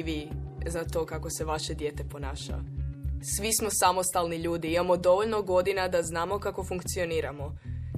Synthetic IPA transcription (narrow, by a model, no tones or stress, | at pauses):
ʋizat̪o̞kako̞se̞ʋaʃe̞d̪je̞t̪e̞po̞naːʃa̰sʋismo̞samo̞st̪alˠniʎuːd̪iimamo̞d̪o̞ʋoʎnoɡo̞d̪inad̪aznaːmo̞kako̞fuŋkt̪sio̞niːɾamo̞